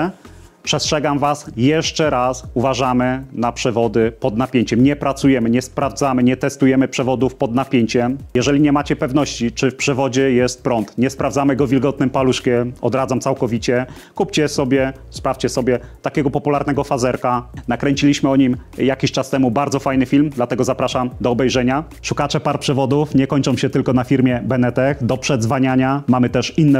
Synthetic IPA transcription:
pʂɛstʂɛɡamvasjɛʂt͡ʂɛɾasuvaʐamɘnapʂɛvɔd̪ɘpɔd̪napʲjeɲt͡ɕɛmɲɛpɾat̪sujɛmɘɲɛspɾavd̪zamɘɲɛt̪ɛst̪ujɛmɘpʂɛvɔd̪ufpɔd̪napʲjeɲt͡ɕɛmjɛʐɛlʲiɲɛmat͡ɕɛpɛvnɔɕt͡ɕit͡ʂɘfpʂɛvɔd͡ʑɛjɛst̪̚pɾɔnt̪ɲɛspɾavzamɘɡɔvʲilɡɔt̪̚nɘmpaluʂkʲjɛɔ̰d̪ɾad̪zamt̪sawkɔvʲit͡ɕɛ | kupt͡ɕɛsɔbʲjɛ | spɾaft͡ɕɛsɔbʲjɛt̪akʲɛɡɔpɔpulaɾnɛɡɔfazɛɾkanakɾɛɲt͡ɕilʲiɕmɘɔɲimjakʲiɕt͡ʂast̪ɛmubaɾd̪zɔfajnɘfʲilmd̪lat̪ɛɡɔzapɾaʂamd̪ɔːbɛjʐɛɲa | ʂukat͡ʂɛpaɾpʂɛvɔd̪ufɲɛkɔɲʲt͡ʂɔ̃w̃ɕɛt̪ɘlkɔnafʲiɾmʲjɛbɛnɛt̪ɛxd̪ɔpʂɛd̪zvaɲaɲamamɘt̪ɛʂinːɛ

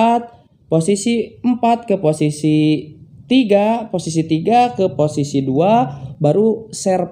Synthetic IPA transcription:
t̪̚ | posisimpat̪̚kəposisit̪iɡaposis̬it̪iɡakəposisiduabaɾusɛr

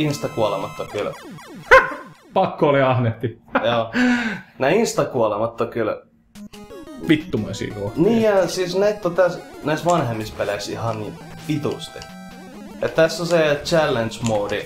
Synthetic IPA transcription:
inst̪ɑkuolemɑt̪ːokyl | pɑkːoliɑhneht̪ijoː | næːinst̪ɑkuolemɑt̪ːokyl | pit̪ːumḛsḭːkuniːjɑsiːsnæit̪ːot̪æsnæisʋɑnhemːispelæksihɑnniː | ʋit̪ust̪i̥̰ | et̪t̪æsːoset͡ʃælːent͡ʃmoːdi

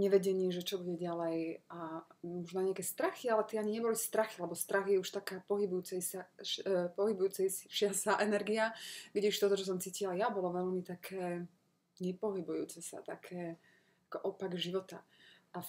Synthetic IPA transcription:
ɲɛʋɛɟɛɲiɛʒɛt͡ʃɔbuɟɛɟalɛjamɔʒnaɲɛakɛːst̪ɾaxialɛt̪ɪɛaɲiɲɛbɔlist̪ɾaxialɛbɔst̪ɾaxjɛuʃt̪akaːpɔɦibujuːt͡sɛsa | pɔɦibujuːt͡sɛjsʃɪasaʔɛnɛɾɡiaɡɟɛuʃt̪ɔt̪ɔt͡ʃɔs̬ɔmt͡siːcilajabɔlɔʋɛʎmit̪akʰɛː | ɲɛpɔɦibujṵːt͡sɛsa̰t̪akʰɛː | akɔʔɔpaɡʒiʋɔt̪aʔa

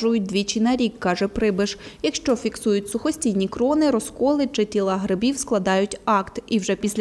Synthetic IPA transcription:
ʊjʊt̚ʲd̪ʋʲit͡ʃinɐɾʲikːɑʒɛpɾɪbɪʃjɐkʃt͡ʃɔfʲiksujʊtʲsʊxɔsʲtʲijnʲikɾɔnɪɾɔskɔlˠɪt͡ʃɪtʲilˠɐɦɾɪbʲiwsklˠɐd̪ɑjʊtʲɑkt̪iwʒɛpʲisʲlʲ

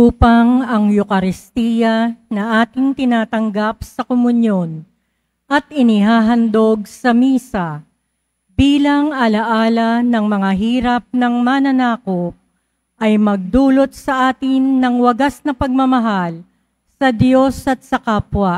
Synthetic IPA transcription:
uːpɐŋɐŋjʊkɐɾɪst̪iːjɐnɐʔaːt̪ɪŋt̪ɪnaːt̪ɐŋɡap̚sɐkomʊnjo̞n | ʔɐt̪ʔɪnɪɦaːɦɐnd̪o̞ɡ̚sɐmiːsɐ | biːlɐŋɐlɐʔaːlɐnɐŋmɐŋaɦiːɾɐp̚nɐŋmanɐnaːko̞p̚ | ʔɐjmɐɡ̚d̪uːlo̞t̪̚sɐʔaːt̪ɪnːɐŋwɐɡasnɐpɐɡ̚mɐmɐɦal | sɐd̪jo̞sɐt̪̚sɐkaːpwɐ

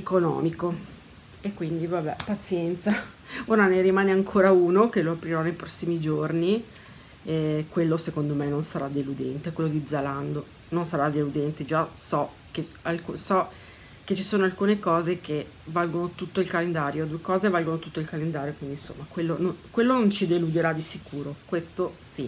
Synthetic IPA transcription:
ekonɔ̰ːmiko | ekːwind̪ivabɛpat̪sjɛnt̪sa | oɾaneɾimaːneaŋkʰoːɾauːnokeloapɾiɾɔnejpɾɔsːimid͡ʒorni | ɛkwelːosekond̪omenonsaɾad̪ːelud̪ɛnt̪ekwelːod̪id̪zaland̪o | nonsaɾad̪elud̪ɛnt̪id͡ʒasɔ | kealkusɔ | ket͡ʃːisoːnoalkuːnekɔːzeke | valɡonot̪ut̪ːoilkalend̪aːɾjod̪uekɔːzevalɡonot̪ut̪ːoilkalend̪aːɾjokwind̪inso̰mːakwelːononkwelːonont͡ʃid̪elud̪eɾad̪isikuːɾokwest̪osi

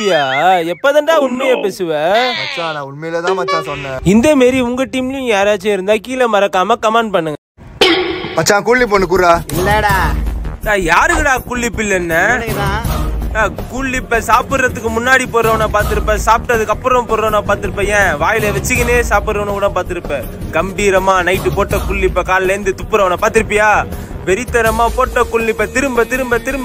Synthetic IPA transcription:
ɪjaːɛpːɐːðɐɳɖaːʊɳmɛjɐpeːsɯʋɛmɐt͡ʃːãːnãːʊɳmɛjlɛt̪ãːmɐt͡ʃːãːsɔnːɛ̃ɪnd̪ɐmeːɾiʊŋɡɐʈiːmlɪjʊ̃jaːɾaːt͡ʃːeːɪɾɯnd̪aːkiːlɐmɐɾɐkːaːmɐkɐmãːɳɖ̚pɐɳːɯŋɡɐ | mɐt͡ʃːãːkuːɭːɪpːoːnːɯkuːɾaːɪlːɐɽaːnãːjaːɾɯkɪɽãːkuːɭːɪpːɪlːɛnːɐː | aːkuːɭːɪpːɐsaːpɯɽɾɐt̪ːɯkːɯmʊnːaːɽipoːɾɾɐʋnaːpaːɾt̪ɯɾɯpːɛ̃ːsaːp̚ʈːɐðɯkːɐpːɯɾɐ̃mpoːɾɾɐnaːpaːɾt̪ɯɾɯpːɐ̃jẽːʋaːjɪlɐʋɛt͡ʃːɯkɐneːsaːpɯɾɾɐʋnɐ̃kuɽaːpaːɾt̪ɯɾɯpːẽː | ɡɐmbiːɾɐmaːnɐɪʈːɯpoːʈːɐkʊɭːɪpːɐkaːlɐlɐɾɯnd̪ɯt̪ʊpːɯɾɐʋnaːpaːɾt̪ɪɾɯpːɪjaːʋɛɾɪt̪ːɐɾɐmaːpoːʈːɐkʊɭːɪpːɐt̪ɪɾɯmbɐt̪ɪɾɯmbɐt̪ɪɾɯmb

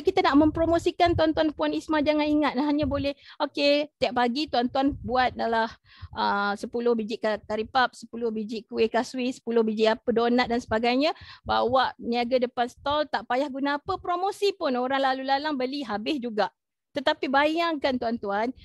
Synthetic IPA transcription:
kit̪anaʔmə̃mpɾomosikant̪uant̪uanpuanismad͡ʒaŋaniŋat̪̚naɦaɲabolɛhoket̪iap̚paɡit̪uant̪uanbuat̪̚dalah | ʔəsəpulʊhbid͡ʒiʔkakaɾipap̚sə̥pulʊhbid͡ʒɪʔkuekaswisə̥pulʊhbid͡ʒiʔapədonat̪̚dansəbaɡajɲãbawaʔniaɡadəpansə̥t̪ɔlt̪aʔpajahɡunaːpəpɾomosipʊnoɾaŋlalulalaŋbəliɦabɪsd͡ʒuɡaʔ | t̪ət̪apibajaŋkant̪uant̪uan

